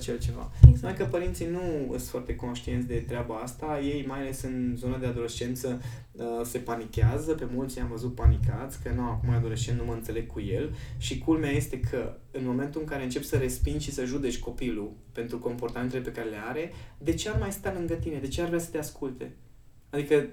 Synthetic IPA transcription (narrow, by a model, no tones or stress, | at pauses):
t͡ʃelt͡ʃe̞va̰smakəpəɾint̪sinuɨ̰st̪foart̪e̞ko̞nʃt̪ient̪sʲd̪e̞t̪ɾeabaast̪aje̞jmajale̞sɨnzo̞nad̪e̞ad̪o̞le̞st͡ʃe̞nt̪sə | əse̞panikʲeazəpe̞mult̪sjamvəzut̪̚panikat̪sʲkənuamakumajad̪o̞le̞st͡ʃennuməɨnse̞le̞ɡ̚kʰːuje̞lʃikulmeaje̞st̪e̞kʰə | ɨnmo̞me̞nt̪uɨŋkaɾe̞ɨnt͡ʃe̞psəɾe̞spind̪ʲʃisəʒud̪e̞t͡ʃʲko̞pilupe̞nt̪ɾuko̞mpo̞rt̪ament̪elepe̞kaɾe̞le̞aɾe̞d̪e̞t͡ʃearmajst̪alɨŋɡət̪ine̞d̪e̞t͡ʃearvɾeasə̥t̪e̞askult̪e̞̰ | ad̪ikə